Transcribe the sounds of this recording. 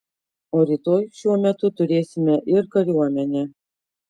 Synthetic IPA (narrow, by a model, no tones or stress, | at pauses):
oɾʲit̪ojʃuɔmʲæt̪ʊt̪ʊɾʲeːsʲɪmʲɛʔɪɾkɐɾʲuɑmʲɛnʲɛ